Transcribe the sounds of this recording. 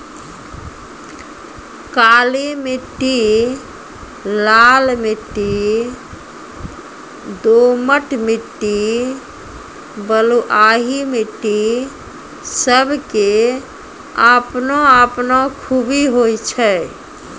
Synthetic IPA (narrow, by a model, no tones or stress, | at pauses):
kalimiʈːi | lalmiʈːi | d̪oməʈmiʈːi | bəluʔaɦimiʈːi | səbʱke | əpnoəpnɔkʰubiɦojt͡ʃʰə